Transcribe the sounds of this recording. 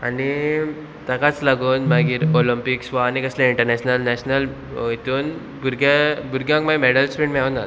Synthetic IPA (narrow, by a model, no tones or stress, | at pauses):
a̰ni | t̪akat͡slaɡuːnmaɡiːɾolimpiksʋaːnikəslẽiɳʈəɾnɛɕnəlnɛɕnəl | it̪uːn | buɾɡebuɾɡjãŋkmameɽəlspiɳmiauna